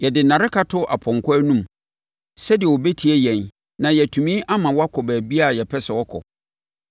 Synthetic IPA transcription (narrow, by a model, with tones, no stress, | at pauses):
jɛ˨dɪ˨nã˨ɾɪ˦ka˦tʰʊ˦ʔa˨pʰɔ̃˨ŋkʰɔ˦æ˦nũ˦m | sɛ˦dɪ˨ɛ˨wɔ˨be˦tʰi˨ɛ˦jɛ̃˨n | nã˨jɛ˨tʰũ˨mĩ˦ʔa˦mã˨wɔ˦a˦kʰɔ˨bæː˨bi˦a˦˨jɛ˨pʰɛ˦sɛ˨wɔ˦kʰɔ̰˨